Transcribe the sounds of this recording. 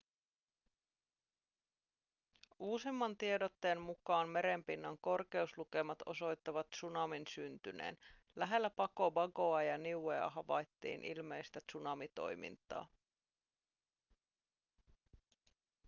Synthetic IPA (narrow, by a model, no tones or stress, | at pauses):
ʔuːsimːɑnt̪iedo̞t̪ːe̞ːnmukɑːnme̞ɾe̞mpinːɑŋko̞rke̞usluke̞mɑt̪o̞so̞jt̪ːɑʋɑt̪sunɑminsynt̪ynḛːn | læɦe̞lːæpɑko̞bɑɡo̞ɑjɑniueɑ̰ɦɑʋɑjt̪ːḭːnʔḭlme̞jst̪æt̪sunɑmit̪o̞̰jmḭnt̪ɑ̰ː